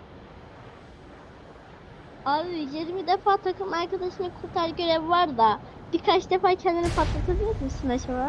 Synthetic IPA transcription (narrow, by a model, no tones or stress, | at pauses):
aɯjeɾmid̪efaːt̪ʰakɯmaɾkad̪aʃɯnakʰuɾt̪ʰaɾɟø̞ɾɛvvaɾd̪a | biɾkʰat͡ʃd̪efaːcʰɛnd̪inɛpʰat̪lˠak̪ʰɯɯjɛt̪miʃsinat͡ʃʰaba